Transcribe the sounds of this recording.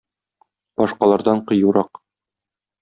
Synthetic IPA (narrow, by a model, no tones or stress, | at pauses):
b̥ɒʃqɑlˠɑɾd̪ɑɴqɤ̆juɾɑq